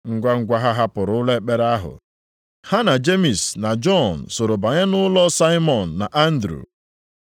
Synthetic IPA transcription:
ŋ̩˦ɡʷa˦ŋ̩˨ɡʷa˦ɦa˦ɦa˦pʊ˨ɾʊ˨˦ʊ˦le˦˨k͡pe˦ɾa˦ɦʊ̰˨ | ha˦na˨d͡ʒe˦mi˨sna˨d͡ʒɔ˦˨n̩˨so˨ɾo˨ba˨ɲa˦nʊ˦lɔ˦sa˦ɪ˦mɔ˨n̩ː˨a˨ʔa˦n̩˦dɾṵ˨

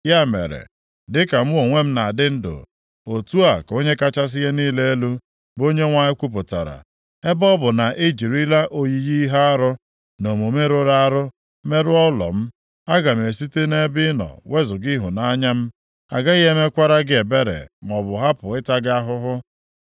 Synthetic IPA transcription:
ja˦˨mḛ˨ɾḛ˨ | dɪ˦ka˨m̩˦wo˨ŋʷe˦m̩˦na˨dɪ˦n̩˦dʊ̰˨ | o˨tu˦a˨ko˦ɲe˦ka˦t͡ʃa˦s̬ɪ˦ɦe˦niː˦le˦e˦lu˦ | bo˦ɲe˦ŋʷa˨˦ɪ˦kʷu˦p̬ʊ˨ta̰˨ɾa̰˨ | e˦bɔ˦bʊ˨na˨ʔɪ˦d͡ʒi˨ɾi˦la˦ʔo˦ji˨ji˦ɦa˦ɾʊ˦ | no˨m˨o˨me˦ɾo˦ɾa˦a˦ɾʊ˦ | me˦ɾʊ˦ɔ˦lɔ̰˨m̩˦ | a˦ɡa˨m̩˨e˨si˦te˦ne˦bɪ˦nɔ̰˨we˦zʊ˨ɡi˦ɦʊ˨na˦ɲa˦m̩˦ | a̰˨ɡa˦i˦ɦe˦me˦kʷa˦ɾa˦ɡɪ˦e˨be˦ɾḛ˨m˨ɔ˨bʊ˨ɦa˦pʊ˨ɪ˦ta˦ɡɪ˦a˦ɦʊ˦ɦʊ˦

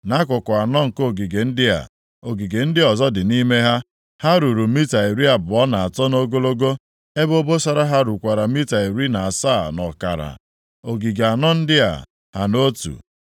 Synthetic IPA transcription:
na˦kʊ˨kʊ˨a˨nɔ˦ŋ̩˨ko˦˨ɡi˨ɡe˨n̩˦dɪ˦a̰˨ | o˨ɡi˨ɡe˨n̩˦dɪ˦ɔ˨zɔ˦dɪ˨ni˦me˦ɦa˦ | ha˦ɾu˨ɾu˨mi˦ta˨i˨ɾi˦a˨bʊ˨ɔ˦na˨a˨tɔ˦no˦ɡo˦lo˦ɡo˦ | e˦bo˦bo˦sa˦ɾa˦ɦa˦ɾu˨kʷa˨ɾa˨mi˦ta˨i˨ɾi˦na˨a˨sa˦˨nɔ̰˨ka̰˨ɾa̰˨ | o˨ɡi˨ɡe˨a˨nɔ˦n̩˦dɪ˦a̰˨ | ha˨no˦tṵ˨

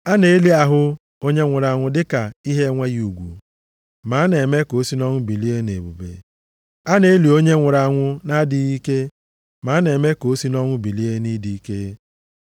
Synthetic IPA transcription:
a˦ne˨˦e˦li˦a˨ɦʊ˦ | o˦ɲe˦ŋʷʊ˨ɾa˨ŋʷʊ˦dɪ˦ka˨i˦ɦe˦ŋʷe˦ju˨ɡʷṵ˨ | ma˨˦ne˨me˦ko˨˦si˦nɔ˦ŋʷʊ˦bi˨li˦e˦nḛ˨bṵ˨bḛ˨ | a˦ne˨e˦li˨o˦ɲe˦ŋʷʊ˨ɾa˨ŋʷʊ˦na˦dɪ˨˦i˦ke˦ | ma˨˦ne˨me˦ko˨˦si˦nɔ˦ŋʷʊ˦bi˨li˦e˦ni˦di˦i˦ke˦

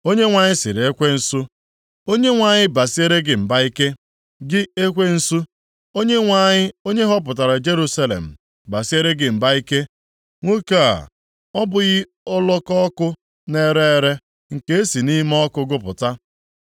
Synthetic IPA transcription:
o˦ɲe˦ŋʷa˨ɲɪ˦sɪ˨ɾe˦kʷe˦n̩˨su˦ | o˦ɲe˦ŋʷa˨ɲɪ˦ba˨si˦e˦ɾe˦ɡɪ˨m̩˨ba˦i˦ke˦ | ɡɪ˦e˦kʷe˦n̩˦su˦ | o˦ɲe˦ŋʷa˦˨ɲɪ˦o˦ɲe˦ɦɔ˦p̬ʊ˨t̬a˨ɾa˨d͡ʒe˦ɾu˦sa˦lḛ˨m̩˨ | ba˨si˦e˦ɾe˦ɡɪ˨m̩˨ba˦i˦ke˦ | ŋʷo˦ka˦˨a̰˨ | ɔ˦bʊ˨ɣɪ˦ | ʊ˦lɔ˦kɔ˦kʊ˦ | ne˦ɾe˦e˦ɾe˦ | ŋ̩˨ke˦e˦si˨ni˦m˦ɔ˦kʊ˦ɡʊ˦pʊ̰˨ta˦

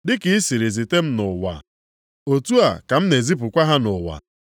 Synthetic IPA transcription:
dɪ˦ki˨i˦si˨ɾi˨zi˨te˦m̩˦nʊ˨wa̰˨ | o˨tu˦a˨ka˨m̩˦ne˨zi˦p̬ʊ˨kʷa˦ɦa˦nʊ˨wa̰˨

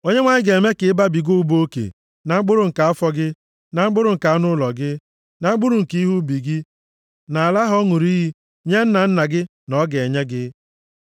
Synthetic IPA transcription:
o˦ɲe˦ŋʷa˨ɲɪ˦ɡe˨me˦kɪ˨˦ɪ˦ba˦bi˨ɡo˦u˦bo˦kḛ˨ | na˨ŋ͡m̩˦ɡ͡bʊ˦ɾʊ˨ŋ̩˨ka˨˦a˦fɔ˦ɡɪ˦ | na˨ŋ͡m̩˦ɡ͡bʊ˦ɾʊ˨ŋ̩˨ka˨a˦nʊ˦lɔ˨ɡɪ˦ | na˨ŋ͡m̩˦ɡ͡bʊ˦ɾu˨ŋ̩˨ki˦ɦu˦bi˨ɡɪ˦ | na˨a˨la˦ɦɔ˦ŋu˨ɾi˦ɦi˦ | ɲe˦n̩˦na˨n̩˦na˨ɡɪ˦ | nɔ˦ɡe˨ɲe˦ɡɪ˦

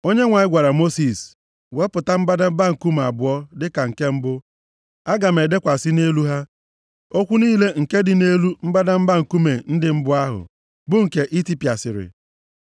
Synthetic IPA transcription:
o˦ɲe˦ŋʷa˨ɲɪ˦ɡʷa˨ɾa˨mo˦si˨s | we˨˦pʊ˨ta˦m̩˦ba˦da˦m̩˦ba˦ŋ̩˨ku˦m̩˨a˨bʊ˨ɔ˦dɪ˦ka˨ŋ̩˨ke˦m̩˦bʊ˦ | a˦ɡa˨m̩e˨de˦kʷa˨sɪ˦ne˦lu˦ɦa˦ | o˦kʷu˦niː˦le˦ŋ̩˨ke˦dɪ˨ne˦lu˦m̩˦ba˦da˦m̩˦ba˦ŋ̩˨ku˦me˨n̩˦dɪ˨m̩˦bʊ˦a˦ɦʊ̰˨ | bʊ˦ŋ̩˨ke˨ʔi˦ti˦pi˨a˨sɪ̰˨ɾɪ̰˨

